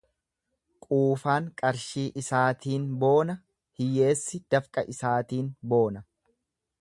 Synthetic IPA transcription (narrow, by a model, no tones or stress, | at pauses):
kʼuːfaːŋkʼɐɾʃiːʔɪsaːt̪ʰiːnbo̞ːnɐ | hɪje̞ːsːɪd̪̥ɐfkʼɐʔɪsaːt̪iːnbo̞ːnɐ